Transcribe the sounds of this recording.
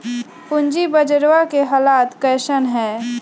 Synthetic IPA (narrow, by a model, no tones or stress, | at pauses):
pʊnd͡ʒibəd͡ʒəɾwakeɦaːlaːt̪kɛːʃənɦɛ̃ː